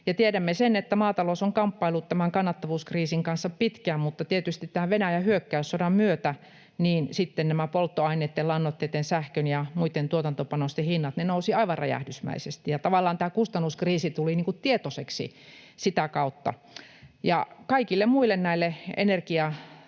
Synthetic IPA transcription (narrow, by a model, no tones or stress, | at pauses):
jɑt̪ieɾæmːesenet̪ːæmɑːt̪ɑlosoŋkɑmpːɑilːˑut̪tæmæŋkɑnːɑt̪ːɑʋuːskriːsiŋkɑnsːɑppit̪kæːmmut̪ːɑt̪iet̪yst̪it̪t̪æːʋenæjæhyøkːæysːodɑmmyøt̪æ | niːnsit̪ːennæmæpolt̪ːoɑinˑet̪ːelɑnːot̪ːet̪ːensæhkønjɑmuit̪ːˑent̪uot̪ɑnt̪opɑnost̪ehinːɑt̪nenousiɑiʋɑrrɑ̰jæ̰hdysmæ̰isest̪ijɑt̪ɑʋɑlːɑːnt̪æːkust̪ɑnːuskriːsit̪uliniːŋkutt̪iet̪oseksḭ | sit̪ækɑut̪ːɑ̰ | jɑkɑikilːemmuilːˑennæilːeḛnerkiɑ